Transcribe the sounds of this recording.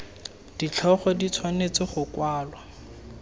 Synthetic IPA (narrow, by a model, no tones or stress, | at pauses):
d̥it͡ɬʰɔχɔdit͡sʰwanet͡sɪχʊkwaːlwa